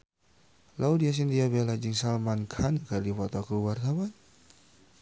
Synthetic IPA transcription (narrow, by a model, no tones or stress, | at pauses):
lʔawdias̬ind̪iabɛlad͡ʒiŋsalmankʰankardifɔt̪ɔkəluwart̪awan